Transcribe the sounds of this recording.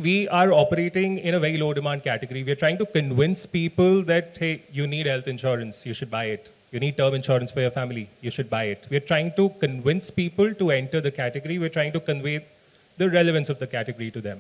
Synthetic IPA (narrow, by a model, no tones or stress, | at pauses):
ʋiːʔaːɾɔːpəɾeːʈɪ̃ŋɪ̃nəʋɛɾiloːɖɪmãːɳɖ̚kæʈɪɡəɾiʋiəɾʈɾaɪɪ̃ŋʈukə̃nʋɪ̃nspiːpəld̪æʈheːjuːniːɖhɛlt̪ɪ̃nʃɔːɾə̃nsjuːʃʊɖ̚baɪɪʈ | juːniːɖ̚ʈəːɾmɪ̃nʃɔːɾə̃nsfɔɾjɔːɾfæmɪlijuːʃʊɖ̚baɪɪʈʋiəɾʈɾaɪɪ̃ŋʈukə̃nʋɪ̃nspiːpəlʈuɛ̃ɳʈəɾd̪əkæʈɪɡəɾiʋiəɾʈɾaɪɪ̃ŋʈukə̃nʋẽːt | d̪əɾɛlɪʋə̃nsɔʋd̪əkæʈɪɡəɾiʈud̪ɛ̰̃m